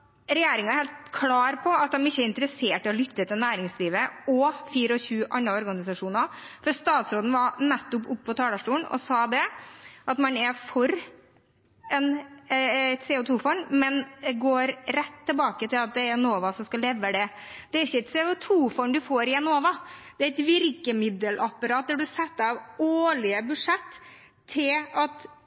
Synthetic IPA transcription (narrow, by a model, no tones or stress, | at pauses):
ɾɛjeːɾɪŋɑɛɾheːlt̪kʰlɑːɾpʰɔɑt̪̚d̪ɛmɪçːəɾɪnt̪əɾəseːʈɪɔlʏt̪ːət̪ʰɪlnæːɾɪŋsliːʋəɔfiːɾəɔçʉːʔɑnɾɑɔɾɡɑnɪsɑʂuːnɑfɔɾst̪ɑːt̪sɾoːd̪n̩ʋɑɾnɛt̪ːɔpʊpːɔt̪ʰɑːd̪ɑʂʈuːənɔ̰sɑːd̪ɛʔɑt̪mɑnɛfɔɾ | ɛn | ɛt̪seːʊt̪ʰuːfɔɳmɛnd̪ɛɡoːɾɾɛt̪ʰːɪlbɑːkət̪ɪlɑt̪̚d̪ɛɾɛnoːʋɑsɔmskɑlɛʋːəd̪ɛd̪̥ɛæɾɪçəɛt̪sɛːʊt̪ʰuːfɔɳd̪ʉfoːɾɪɛnoːʋɑd̪̥ɛæɪt̪ʋɪɾkəmɪd̪əlʔɑpːɑɾɑːt̪̚d̪ɛɖʉsɛt̪ːɑʋoːɭɪəbʉʂɛt̪ʰː | ɪlɑt̪